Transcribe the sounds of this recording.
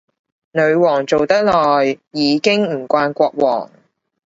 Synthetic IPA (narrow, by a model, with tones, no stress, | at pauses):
nɵ˨˧ɥwɔː˨˩ŋt͡so˨wt̪ɐ˥k̚lɔː˨jːiː˨˧kɪ˥ŋm̩˨˩kʷaː˧nkʷɔː˧k̚wɔ̰ː˨˩ŋ